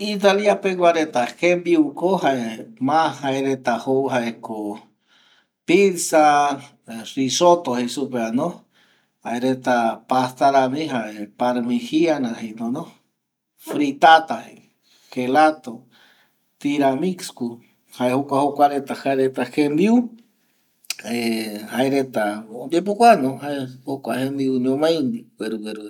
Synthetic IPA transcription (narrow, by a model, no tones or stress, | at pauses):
it̪aliapeɡʷaɾet̪ahembiukohaemãhaeɾet̪ahowɦaeko | piɾsa | risot̪ohesupeanõ | haeɾet̪apast̪aɾamĩɦaepaɾmihianãhinõno | fɾit̪at̪ahe | xelat̪o | t̪iɾamiksku | haehokʷahokʷaɾet̪ahaeɾet̪ahemd̪iu | ehaeɾet̪aod̪epokʷanõhaehokʷahemd̪iuɲõmãj̃niweɾuweɾu